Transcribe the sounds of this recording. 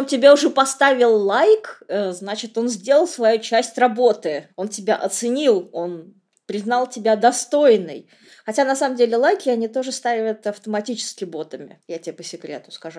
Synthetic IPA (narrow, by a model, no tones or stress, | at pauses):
omtʲɪbʲaʊʐɛpɐst̪avʲɪlˠlˠajkːznat͡ɕɪt̪o̞nzʲdʲe̞lˠəlˠsvɐjut͡ɕæsʲtʲrɐbo̞t̪ɨo̞ntʲɪbʲaʔɐt̪sɨnʲilˠo̞n | pɾʲɪznɑlˠtʲɪbʲad̪ɐst̪o̞jnɨ̰j | xɐtʲanɐsaməmdʲelʲɪlˠajkʲɪɐnʲit̪o̞ʐɨst̪avʲət̪ɐft̪əmɐtʲit͡ɕɪ̥skʲɪbo̞t̪əmʲɪ̰jatʲɪepəsʲɪkɾʲḛt̪ʊ̥skɐʐu